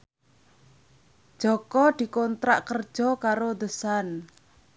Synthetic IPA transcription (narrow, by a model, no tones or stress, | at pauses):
ʒ̥ɔkɔd̪̥i̤kɔnt̪ɾaʔkərd̥ʒ̥ɔ̤kaɾod̪ə̤san